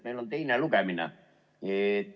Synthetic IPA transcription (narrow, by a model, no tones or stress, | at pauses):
meilont̪einælukæmina̰ | e